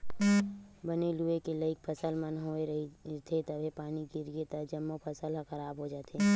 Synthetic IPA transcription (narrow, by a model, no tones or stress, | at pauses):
bɐneluekelɐɪk̚pʰɐsəlmənɦoːeɾt̪ʰet̪ɐbʱepaːniɡɪɾijet̪əd͡ʒɐmːopʰɐsəlɦɐxɐɾaːbɦod͡ʒaːt̪ʰe